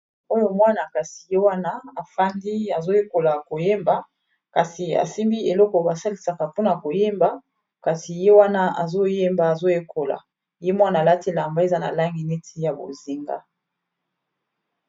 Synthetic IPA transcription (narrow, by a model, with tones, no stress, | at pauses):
o˦jo˨mwa˦na˨ka˨si̥˨je˦wa˦na˦a˨fa˦ndi˦a˨zo˦je˦ko˨la˨ko˨je˦mba˨ | ka˨si˨a̰˨si˦mbi˦e˨lɔ˦kɔ˨ba˨sa˦li˨˦sa˨ka˨po˦na˨ko˨je˦mba˦ | ka˨si˨je˦wa˦na˦a̰˨zo˦je˦mba˨a˨zo˦je˦kʰo˨la̰˨ | je˦mwa˦naː˨la˦te˦la˨mba˦e˨za˦na̰˨la˦ŋɡi˨ne˦tʰi˦ja˨bo̰˨zi˦ŋɡa̰˦